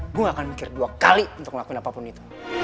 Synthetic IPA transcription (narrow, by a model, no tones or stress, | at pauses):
ɡuŋakanmikɪrduakaliunt̪ʊk̚məlakuinapapʊnit̪u̥